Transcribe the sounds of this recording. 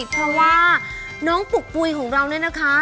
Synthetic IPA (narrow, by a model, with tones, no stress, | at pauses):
pʰɾɔ˦˥waː˥˩ | nɔː˦˥ŋpu˨˩k̚pu˧jkʰɔː˩˦ŋɾa˧wnɯ˥˩ɐna˦˥kʰa˦˥